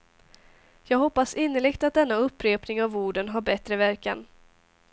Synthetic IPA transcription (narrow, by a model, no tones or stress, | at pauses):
jɑːɡɦɔpːasɪnːəɭɪɡt̪at̪̚d̪ɛnːaɵpːɾeːpnɪŋavuːɖənɦaɾbɛt̪ɾəvæɾka̰n